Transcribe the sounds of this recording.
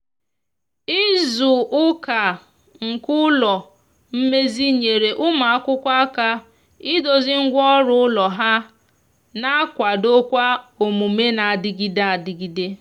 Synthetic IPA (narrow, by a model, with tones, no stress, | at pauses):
i˦zʊ˨ʔʊ˦ka˨ | ŋ̩˨kʊ˦lɔ˨ | m̩˦me˦zi˦ɲe˨ɾe˨ʔʊ˦ma˨a˦kʷʊ˦kʷa˦a˦ka˦ | ɪ˦do˨zɪ˦ŋ̩˦ɡʷɔ˦ɾʊ˦ʊ˦lɔ˨ɦa˦ | na˦kʷa˨do˦kʷa˦o˨mu˨me˦na˨a˨dɪ˦ɡi˦da˦a˨dɪ˨ɡi˦de˦